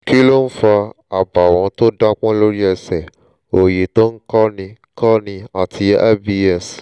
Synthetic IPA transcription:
ki˦lo˦n̩˦fa˧ | a˨ba˨w̃ɔ̃˨˧to˦da˦k͡pɔ̃˦lo˦ɾi˦ɛ˧sɛ˨ | o˨je˨to˦n̩˦kɔ˦nĩ˧ | kɔ˦nĩ˧a˨tʰi˧ɛ˦bi˧ɛ˦˨s

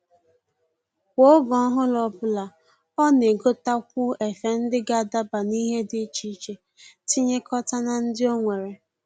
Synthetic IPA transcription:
kʷo˦ɡɔ˦ɦʊ˦lɔ˦bʊ˦la˨ | ɔ˦ne˨ɡo˦ta˦kʷʊ˦e˨fe˦n̩˦dɪ˦ɡa˦˨da˦ba˨ni˦ɦe˦dɪ˦t͡ʃi˦t͡ʃe˨ | ti˦ɲe˦kɔ˦ta˦na˨n̩˦dɪ˦o˦ŋʷe˨ɾe˨

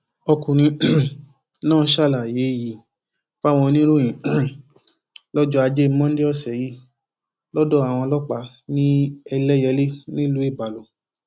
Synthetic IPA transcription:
ɔ˧kũ˨ñĩ˧ | nãː˦˨˦ʃa˦˨la˨je˨˦˨ji˨˦ | fa˦˨w̃ɔ̃˧nĩ˦ɾu˦j̃ĩ˨ | lɔ˦d͡ʒɔ˦a˧d͡ʒe˦˧˦mɔ̃˦n̩˦de˦ɔ˦˨sɛ˨ji˦ | lɔ˦dɔ˦˨a˨w̃ɔ̃˧lɔ˦k͡pa˧˦ | nĩ˦ɛ˧lɛ˦jɛ˧˦le˦nĩ˦lu˦i˦˨ba˨lo˨

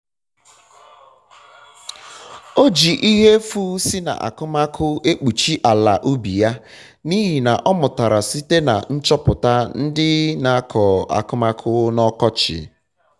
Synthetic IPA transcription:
o˦d͡ʒi˨ʔi˦ɦe˦fu˦si˦na̰˨ʔa̰˨kʊ˦ma˦kʰʊ˦e˦k͡pu˨t͡ʃi˦ʔa˨la˨ʔu˦bi˨ja˦ | ni˦ɦi˨na˨ʔɔ˦mʊ˨ta˨ɾa˨si˦te˦na̰˨n̩˦t͡ʃɔ˦pʊ˨ta˦n̩˦dɪ˦na˨˦kʰɔ˨a̰˨kʊ˦ma˦kʰʊ˦nɔ˦kɔ˦t͡ʃɪ̰˨

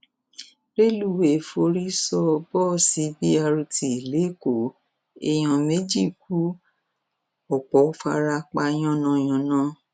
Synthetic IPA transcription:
ɾe˦lu˦˨we˨fo˧ɾi˦sɔ˧bɔ˦˨si˨˦bi˦a˧ɾu˧tʰi˨le˨˦ko˨ | e˧˨j̃ɔ̃˨me˨˦d͡ʒi˦˨k̚u˦ | ɔ˨k͡pɔ˨˦fa̰˧ɾa˧k͡pa˧j̃ɔ̃˦˨nã˧˨j̃ɔ̃˨nã˦

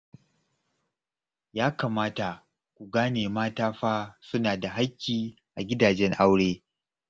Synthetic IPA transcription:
jaː˦kaː˨maː˦ta˨ | kʷu˨ɡaː˦neː˨maː˦taː˦ɸaː˦sʊ˦naː˨da˨ɦa˦kʲːiː˨ | ʔa˨ɡʲɪ˦daː˨d͡ʒɛ˦ŋʔa˦wɽeː˦

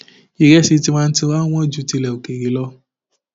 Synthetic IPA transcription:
i˨ɾɛ˦si˧ti˦mãː˦˧n̩˦ti˧wa˦w̃ɔ̃˦d͡ʒu˨˧˦ti˧lɛ˨o˨ke˨ɾi˨˦lɔ˦

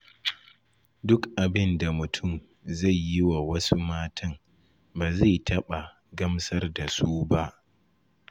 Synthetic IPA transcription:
dʊ˦kʔa˨bɪ˦nda˨mʊ˨tʰʊ˦˨m | za˦˨jːɪ˦wa˨wɐ˦su˦maː˦tʰɐ˦m | baː˨za˦˨jtʰɐ˦ɓa˨ | ɡɐ˦msɐ˦rda˨suː˦ba˦ʔ

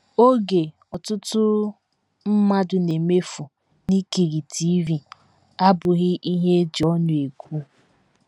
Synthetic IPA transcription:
o˦ɡe˨ | ɔ˨tʊ˦tʊ˦ | m̩˦ma˦dʊ˨ne˨me˦fu˨ | ni˦ke˨ɣi˨ti˦vi˨ | a˦bʊ˨ɣɪ˦ʔi˦ɦe˦d͡ʒɔ˦nʊ˨e˨kʷu˦

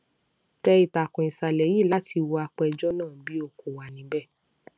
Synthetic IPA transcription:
tɛ˧i˨ta˨kɔ̃˨ĩ˨sa˨lɛ˨ji˦˨la˨˦ti˧wɔ˧a˧k͡pɛ˧d͡ʒɔ˦nãː˦˨bi˦o˧ko˨wa˨nĩ˨˦bɛ˦˨

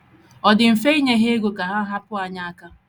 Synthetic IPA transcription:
ɔ˨dɪ˨m̩˨fe˦i˦ɲe˦ɦe˦e˦ɡo˨ka˨ɦa˦ɦa˦pʊ˦a˨ɲa˦a˦ka˦

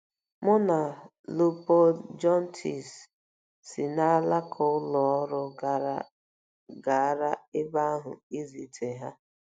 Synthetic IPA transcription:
mʊ˦na˨ | lu˦po˦d͡ʒɔ˦n˦tʰi˨sː | i˨na˦la˦kʰʊ˦ʊ˦lɔ˨ɔ˦ɾʊ˦ɡa˨ɾa˦ | ɡa˨a˦ɾa˦ɪ˦ba˦a˦ɦʊ̰˨i˦zi˨tʰe˨ɦa˦

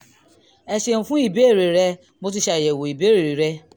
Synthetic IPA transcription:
ɛ˧ʃe˧n̩ũ˨˧fũ˦i˦˨be˨˦˨ɾe˨ɾɛ˧ | mo˧t̬i˦ʃa˧˦i˨jɛ˨wo˨i˨be˨˦ɾe˨ɾe˨ɾɛ˦˧

